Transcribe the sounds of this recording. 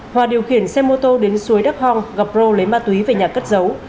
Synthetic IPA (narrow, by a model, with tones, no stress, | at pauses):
hwaː˨˩ɗi˨˩əwxi˧˩ənsɛ˧mo˧t̪o˧ɗe˨˦nsu˨˦əjɗa˦˥k̚hɔ˧˩ŋɣa˨˩p̚zo˧le˨˦maː˧t̪wi˨˦ve˨˩ɲaː˨˩kə˦˥t̚zə˨˦w